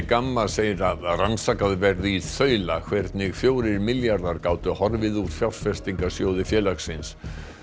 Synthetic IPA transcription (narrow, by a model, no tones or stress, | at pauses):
kamːaseːjɾaransakaðvɛɾðɪiθœːɥlakʰvɛɾt̪nɪɣfjoːwɾɪɾmɪljaɾðaɾkaːwt̪ʏhɔɾvɪðuɾfjawlfɛst̪iŋkasjoːwðɪfjɛːlaksɪns